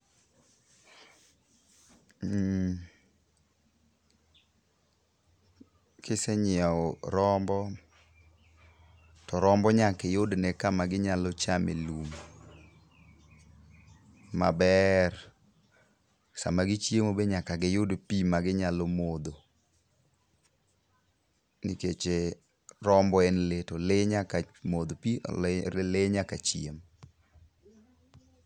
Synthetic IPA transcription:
kʰɪsɛɲɪaɔɾɔmbɔ | tɔɾɔmbɔɲakɛjodnɛkamaɡɪɲalɔt͡ʃamḛlum | a̰bɛr | sa̰maɡɪt͡ʃjemobeɲakaɡɪjodpimaɡɪɲalɔmod̪o | nɪket͡ʃe | ɾɔmbɔɛnletɔleɲakamod̪opileɲakat͡ʃiem

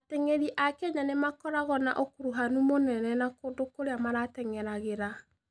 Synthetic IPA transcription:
ateŋeɾiʔakɛɲanemakɔɾaɣɔna̰ʔokuɾuɦanumonɛnɛnakodokoɾeamaɾatɛŋɛɾaɣeɾa

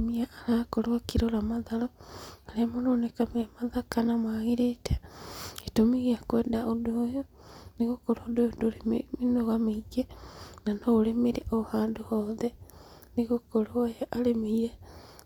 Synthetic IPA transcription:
miaaɾakoɾwakiɾoɾamaðaloaɾemononekamemaðakanamwaɣiɾitʰe̥etomiɣiakweːdaʔodojo | niɣokoɾodoodoɾiminoɣamiɡenanoolemiɾiʔohaːndohoːðe | niɣokoɾojaʔalemije

